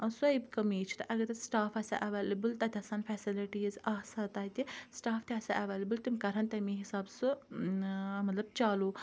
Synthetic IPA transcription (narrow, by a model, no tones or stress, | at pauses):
sɐibkɐmiːt͡ʃʰi̥t̪ɨʔɐɡɐt̪ɐsʈaːfɐsʲaʔɐʋaːlibult̪aːt̪ʲɐsaːnfɛːsiliʈizaːsat̪aːt̪isʈaːft̪ʲasaʔɐʋaːlibɨlt̪umʲkɐɾɐnt̪ɐmiɦisaːbsɨ | mɐt̪lɐb̚t͡ʃaːlu